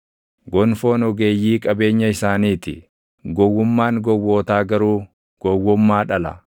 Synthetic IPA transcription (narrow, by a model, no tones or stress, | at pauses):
ɡɔnfo̞ːnɔɡeːjːiːkʼɐbe̞ːɲːɐɪsaːniːt̪ɪ̰ | ɡɔwːʊmːaːŋɡɔwːoːt̪aːɡɐɾuː | ɡ̥ɔwːʊmːaːᶑɐlɐ̰